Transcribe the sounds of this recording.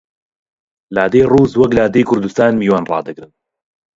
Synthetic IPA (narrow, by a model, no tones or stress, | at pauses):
laːd̪ejrˤuːzwɐklaːd̪ijkʰʊɾd̪ust̪aːnmiːwaːnrˤɑ̰ːd̪ɨɡɾɨn